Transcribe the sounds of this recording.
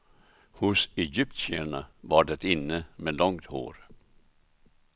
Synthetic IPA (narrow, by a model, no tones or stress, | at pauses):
hʊsɛjʏp̚t̪seɳavaɖɛt̪ɪnːəmeːlɔŋt̪ho̰ːɾ